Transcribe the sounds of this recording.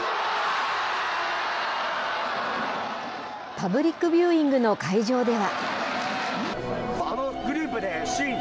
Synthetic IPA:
pabɯ̟ɾʲikːɯ̟bʲjɯːĩŋɡɯ̟no̞kaiʑo̞ːd̪e̞βa | anoɡɯ̟ɾʲɯːpːɯ̟d̪eɕĩŋ

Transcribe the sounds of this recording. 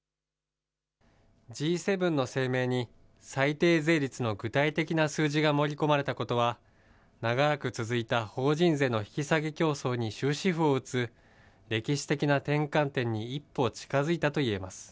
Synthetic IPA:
d͡ʑiːse̞bɯ̟̃nːo̞se̞ːme̞ːɲ̟i | sait̪e̞ːze̞ːɾʲit͡sɨno̞ɡɯ̟t̪ait̪e̞kʲinasɨːʑiɡamo̞ɾʲiko̞maɾe̞t̪ako̞t̪o̞βa | naɡaɾakɯ̟t͡sɨzɨit̪aho̞ːʑĩnze̞ːno̞çi̥kʲisaɡe̞kʲo̞ːso̞ːɲ̟iɕɨːɕiɸɯ̟o̞ɯ̟t͡sɨ | ɾe̞kʲiɕi̥t̪e̞kʲinat̪ẽ̞ŋkãnt̪ẽ̞ɲ̟ːiːpːo̞ːt͡ɕi̥kazɨit̪at̪o̞ie̞masɨ̥

